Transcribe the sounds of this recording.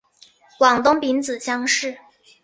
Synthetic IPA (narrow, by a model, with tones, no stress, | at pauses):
kwɑ˨˩ŋt̪ʊ˥ŋpi˧˥nt͡sɹ̩˨˩ɕjɑ˥ŋʂɻ̩˥˩